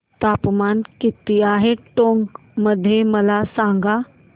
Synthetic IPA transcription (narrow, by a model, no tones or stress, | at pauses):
t̪apmankit̪iaɦeʈoŋk | məd̪ʱːjeməlasãŋɡa